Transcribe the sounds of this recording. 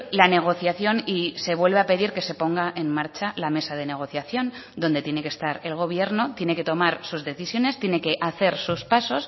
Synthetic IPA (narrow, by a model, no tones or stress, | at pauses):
lane̞ɣ̞o̞θjaθjo̞nise̞βwe̞lβeape̞ðiɾke̞se̞po̞ŋɡaʔe̞nmaɾt͡ʃalame̞sað̞e̞ne̞ɣ̞o̞θjaθjo̞nd̪o̞nd̪e̞t̪je̞ne̞kest̪aɾe̞lɣ̞o̞β̞je̞ɾno̞t̪je̞ne̞ke̞t̪o̞maɾsuzðe̞θisjo̞ne̞st̪je̞ne̞ke̞ʔaθe̞ɾsuspaso̞s